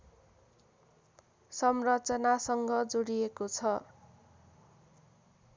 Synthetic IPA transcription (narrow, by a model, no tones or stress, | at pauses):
sʌmrʌt͡sʌnasʌŋɡʌd͡zoɽijekot͡sʰʌ